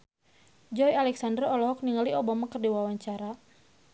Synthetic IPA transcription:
d͡ʒɔjalɛksandərɔlɔɦɔk̚niŋaliɔbamakərdiwawaɲt͡ʃaɾa

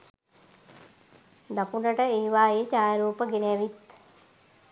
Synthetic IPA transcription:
nakuɳɖəʈəeːʋaːjet͡ʃaːjaɾuːpəɡeneɛʋit̪

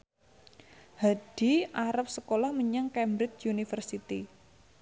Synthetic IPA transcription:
had̥i̤ʔaɾap̚səkolahməɲaŋkɛmbɾɪt͡ʃjunifərsit̪i

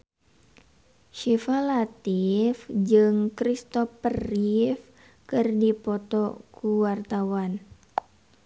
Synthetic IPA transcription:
ʃifalat̪ifd͡ʒɨŋkɾist̪ɔfərif | kɨrdipɔt̪ɔkʰuwart̪awan

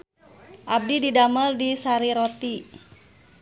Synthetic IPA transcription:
ʔab̚dididaməldisaɾiɾot̪i

